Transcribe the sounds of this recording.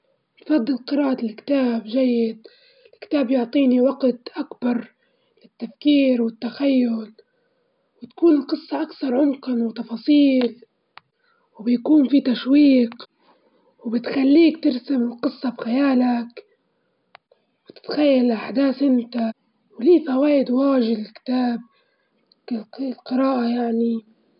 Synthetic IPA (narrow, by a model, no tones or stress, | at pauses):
t̪fɑd̪ˤːɪlqɨɾɑːʔat̪ɪlkt̪aːbʒajːɪd̪̚ | ɪlkt̪aːbjʊʕt̪ˤiːniwɑɡt̪ʔakbɑɾˤ | lɪt̪ːafkiːɾwɪt̪ːaxajːʊl | wɪt̪ḁkuːnɪlqɨsˤːɑʔakθɑɾˤʕʊnqɑnwɪt̪ɑfɑːsˤiːl | wbjakuːnfit̪aʃwiːq | wbɪt̪xalːiːkt̪ɪɾsamɪlqɨsˤːɑbxajaːlak | bɪt̪ɪ̥t̪xajːalɪlʔaħd̪aːθʔɪnt̪a | wliːθawaːʔɪd̪waːʒɪd̪ɪlkɪ̥t̪aːb̚ | lqɨɾaːʔajaʕni